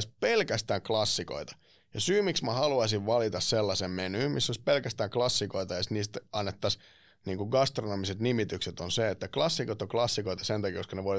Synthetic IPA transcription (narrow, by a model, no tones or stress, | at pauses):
sʲpelkæst̪æːŋklɑsːiko̰it̪ɑ̥ | jɑsyːmiksmæhɑluɑsiʋʋɑlit̪ɑsselːɑsemmenyːmisːoispelkæst̪æːŋklɑsːikoit̪ɑosniːst̪ɑnːet̪ːɑs | niːŋkuɡɑst̪ronomiset̪nimit̪ykset̪onseet̪ːæklɑsːikot̪ːoklɑsːikoit̪ɑsent̪ɑkiːkoskɑneʋoi